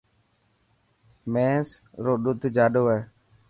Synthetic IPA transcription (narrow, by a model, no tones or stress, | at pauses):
mɛsɾoɗut̪d͡ʒaɗoɛ